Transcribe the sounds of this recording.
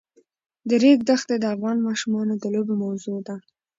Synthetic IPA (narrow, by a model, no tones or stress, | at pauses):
d̪əɾeɡ̚d̪axt̪ed̪əafɣɑnmɑʃumɑnod̪əlobemawzod̪a